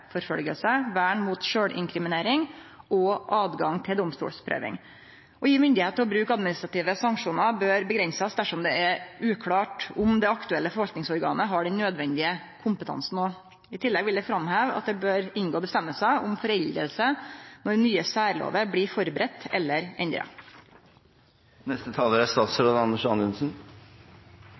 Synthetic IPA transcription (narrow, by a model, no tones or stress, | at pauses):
fɔɾfœ̰lɡə̰lsəʋæːɳmuːt̪ʃøːɽʔɪ̰ŋkʰɾɪmɪneːɾɪŋɔʔɑːd̪ɡɑŋt̪ʰɪld̪ɔmst̪ṵːlspʰɾø̰ːʋɪ̰ŋ | ʔɔjiːmʏnd̪ɪheːt̪əɾɔbɾʉːkɑd̪mɪnɪst̪ɾɑt̪iːʋəsɑŋkʂuːnəbøːɾbəɡɾɛnsəsd̪æʂɔmd̪ɛɛʉːkʰɽɑːʈʊmd̪ɛɑkt̪ʉɛlːəfɔɾʋɑlt̪nɪŋsɔɾɡɑ̰ːnəɦɑɖɛnnøːd̪ʋɛnd̪ɪə | kʰʊmpət̪ʰɑ̰nsn̩o | ɪt̪ʰɪlːɛɡʋɪld̪ɛfɾɑmhæːʋɑ̰t̪̚d̪ɛbøːɾɪnɡoːbəst̪ɛmːəlsəʔʊmfɔɾɛld̪ɾə̰lsənɔɾnyːəsæːɾlo̰ːʋəbliːfɔɾbɾɛt̪ːɛlːəɾɛnd̪ɾɑ̰ | nɛst̪ət̪ʰɑːləɾæst̪ɑːt̪sɾoːd̪ɑnəʂɑnʉnsn̩